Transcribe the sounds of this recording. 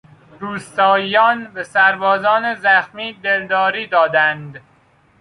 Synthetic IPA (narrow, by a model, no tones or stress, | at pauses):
ɾuːst̪ɒːjɒːnbesæɾbɒːzɒːnezæxmiːd̪eld̪ɒːɾiːd̪ɒːd̪ænd̪